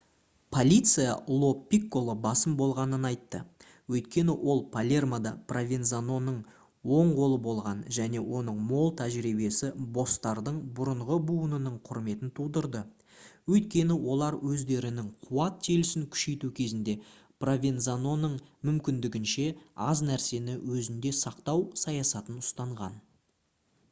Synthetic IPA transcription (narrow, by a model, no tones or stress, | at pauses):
pʰo̞lʲit̪sɨja̰lˠo̞pʲːikːo̞lˠəbɑsəmbo̞lˠʁɑnənɑjt̪ːə̰ | wɵjt̪̚kʲe̞nɪwʔo̞lˠpʰalʲe̞rmad̪ɑprovʲenzano̞nəɴ | wo̞ɴʁo̞lˠəbo̞lˠʁɑnʒæne̞wo̞nəɴmo̞lˠt̪ʰæʒɾibe̞sɪbo̞st̪ɑɾd̪əɴbʊɾəɴʁəbuənənəɴqʰʊɾme̞t̪ɪnt̪ʰud̪əɾd̪ə | wɵjt̪̚kʲe̞nɪwo̞lˠɑɾwɵzd̪e̞ɾɪnɪŋqʰʊwɑt̪ʰːelɪsɪŋkʲʰʏ̥ʃe̞jt̪ukʲʰe̞zɪnd̪e̞ | provʲenzano̞nəɴmʏmkʲɪnd̪ɪɡʲɪnʃe̞ɑznæɾse̞nɪwʔɵzɪnd̪e̞sɑqt̪ɑwsɑjɑsɑt̪ənʊst̪ɑɴʁɑ̰n